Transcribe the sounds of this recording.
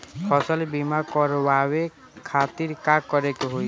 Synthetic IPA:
pʰɔsɔlebimakɔɾwawe | kʰat̪iɾkakɔɾekɦoj

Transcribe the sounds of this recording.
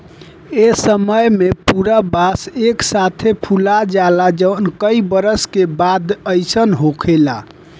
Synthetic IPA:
esəməjmepuɾabaseksat̪ʰepʰulad͡ʒalad͡ʒənkəibəɾəskebad̪əjsənɦokʰela̰

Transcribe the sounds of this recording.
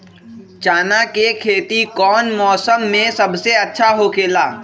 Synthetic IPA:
t͡ʃaːnakekʰeːt̪ikɔːnmɔːsəmːẽsɐbseɐtːʃʰaɦokʰeːlaː

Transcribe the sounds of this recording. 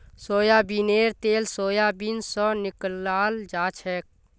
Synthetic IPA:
soːjabineːɾt̪eːlsoːjabinsɔnɪklaːld͡ʒaːt͡ʃʰɛk̚

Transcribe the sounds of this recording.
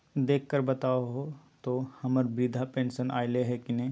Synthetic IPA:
d̪eːkʰːəɾbɐt̪aːoɦo | t̪ohɐməɾbɾɪd̪ʱapẽːnsənʔa̰ːɪleɦɛkɪnẽ

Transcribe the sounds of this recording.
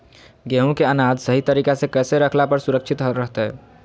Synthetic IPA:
ɡeɦũkeənad̪ʱsəɦit̪əɾikasẽkəseɾəkʰlapəɾsuɾək̚t͡ʃʰit̪ɦəɾəɦt̪ɛ

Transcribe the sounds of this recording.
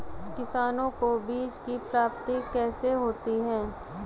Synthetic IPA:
kɪsaːnõkobiːd͡ʒkipɾaːpt̪ikɛːseɦoːt̪iɦɛ̃ː

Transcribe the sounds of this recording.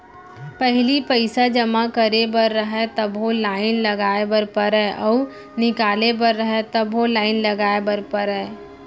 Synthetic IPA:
pəɦlipəɪsad͡ʒəmakəɾebəɾːəɦɛt̪əbɦolaːɪnləɡaːebəɾpəɾɛʔɔːɾ | nɪkaːlebəɾːəɦɛt̪əbɦolaːɪnləɡaːebəɾpəɾɛ

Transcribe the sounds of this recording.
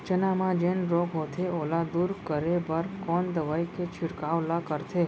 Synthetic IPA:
t͡ʃənamãd͡ʒenɾoɡɦot̪ʰeolad̪uɾkəɾebəɾkɔnd̪əʋajket͡ʃʰɪɽkaʋlakəɾt̪ʰe

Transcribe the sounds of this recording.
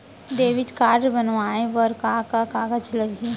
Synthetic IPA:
d̪eːʋɪʈkaːɾɖbənʋaːẽbəɾkaːkakaːɡəd͡ʒlɐɡe

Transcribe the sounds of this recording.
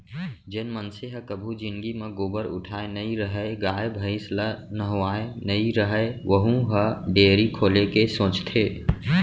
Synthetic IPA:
d͡ʒenmənseɦəkəbʱud͡ʒɪnɡimẽɡoːbəɾʊ̰ʈʰaːenəiɾəɦəeɡaːebʱəɪslənəɦoaːenəiɾəɦəeʋəɦũɦəɖeːɾikʰoːlekesõːt͡ʃt̪ʰeː

